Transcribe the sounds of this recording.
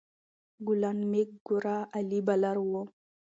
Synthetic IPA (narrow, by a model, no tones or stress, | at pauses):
ɡulanmek̚ɡuɾaalibalaɾwo